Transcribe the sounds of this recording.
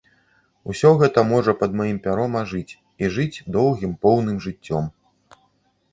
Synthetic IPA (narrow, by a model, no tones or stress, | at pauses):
usʲɔɣɛt̪ɐmɔʐɐpɐd̪majimpʲaɾɔmɐʐɨt͡sʲ | iʐɨt͡sʲd̪ɔwɣʲimpɔwnɨmʐɨt͡sʲːɔm